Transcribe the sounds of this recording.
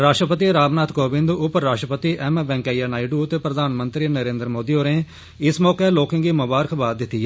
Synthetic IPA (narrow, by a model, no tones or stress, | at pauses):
ɾaːʃʈɾəpət̪iɾaːbnaːt̪ʰkoːbɪ̃nd̪ʊpːaːʃʈɾəpət̪iːʔɛmbɛ̃ːŋkaːijanaːɪɖuːt̪eːpɾəd̪ʱaːnmənt̪ɾiːnəɾẽːnd̪ɾmoːd̪iːoːɾẽː | ɪsmɔːkeloːkɪ̃ŋɡiːmʊbaːɾəkʰbaːd̪ːɪt̪ːi